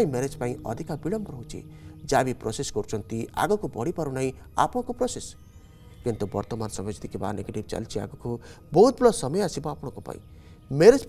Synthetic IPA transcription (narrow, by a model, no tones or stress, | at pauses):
ĩmeɾed͡zpaĩʌd̪ʱikabiɽʌmbɾɦũt͡ʃʰḛd͡ʒabiprosesɡoɾt͡ʃʰʌnt̪ia̰ɡɔkobʌɽipʌɾunaĩ | a̰pɽɔ̃kopɾoses | kint̪ubʌ̰rt̪ɔmansʌmed͡zt̪ikeba̰neɡeʈibt͡ʃa̰lt͡ʃʰia̰ɡɔko | bɔɦut̪̚buɽɔsʌmʌjasibɔ̃apɽ̃ɔ̃kopa̰ḭ̃ | meɾed͡zp